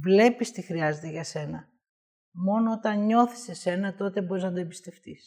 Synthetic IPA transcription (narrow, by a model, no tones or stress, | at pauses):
vle̞pist̪ixɾiɐze̞t̪eʝɐse̞nɐ | mo̞noot̪ɐnɲo̞θi̥se̞se̞nɐt̪o̞t̪e̞bo̞ɾiznɐd̪oebist̪e̞ft̪is